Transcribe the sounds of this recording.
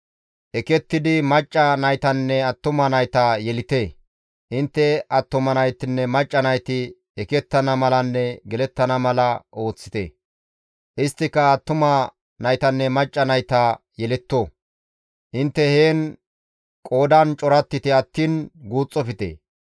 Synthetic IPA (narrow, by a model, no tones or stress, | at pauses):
ʔɛkɛt̪ːɪd̪ɪmɐt͡ʃʼːɐnɐjt̪ɐnːɛɐt̪ːʊmɐnɐjt̪ɐjɛlɪt̪eː | ʔɪnt̪ːɛɐt̪ːʊmɐnɐjt̪ːɪnːɛmɐt͡ʃʼːɐnɐjt̪ɪ | ɛkɛt̪ːɐnɐmɐlɐnːɛɡɛlɛt̪ːɐnɐmɐlɐʔo̞ːt͡sːɪ̥t̪ḛː | ʔɪst̪ːɪkːɐːt̪ːʊmɐ | nɐjt̪ɐnːɛmɐt͡ʃʼːɐnɐjt̪ɐjɛlɛt̪ːo | ʔɪnt̪ːɛhe̞ːn | kʼo̞ːd̪ɐnt͡ʃʼɔɾɐt̪ːɪt̪ɪɐt̪ːiːnɡuːt͡sʼːɔfɪt̪ḛː